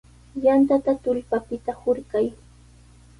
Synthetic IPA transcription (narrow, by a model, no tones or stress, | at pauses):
jant̪at̪at̪ʊʎpapɪt̪ahʊɾkaj